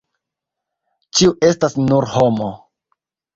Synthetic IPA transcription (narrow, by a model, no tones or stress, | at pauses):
t͡ʃiuʔe̞stasnuɾho̞mo